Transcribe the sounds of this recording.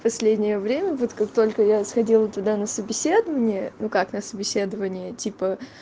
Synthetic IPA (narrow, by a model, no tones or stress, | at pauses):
pɐsʲlʲedʲnʲɪjəvɾʲemʲəvot̪kakt̪o̞lʲkəjasxɐdʲilˠət̪ʊd̪anəsəbʲɪsʲed̪əvənʲɪjənukaknəsəbʲɪsʲe̞d̪əvənʲɪjətʲipə